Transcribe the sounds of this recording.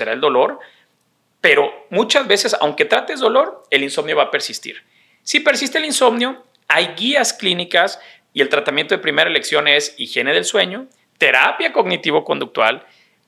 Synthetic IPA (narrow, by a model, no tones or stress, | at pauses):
eɾaeld̪o̞lo̞ɾ | pe̞ɾo̞mut͡ʃazβe̞se̞sa̰wŋke̞t̪ɾat̪e̞zdo̞lo̞ɾe̞linso̞mnjo̞βape̞ɾsist̪ḭɾ | sipe̞ɾsist̪elinso̞mnjo̞ | ajɣiasklinikas | ie̞lt̪ɾat̪amjent̪oðepɾime̞ɾaeleksjo̞ne̞sixje̞ne̞ðe̞lswe̞ɲo̞ | t̪e̞ɾa̰pjako̞ɣnit̪iβo̞ko̞nd̪uk̚t̪wa̰l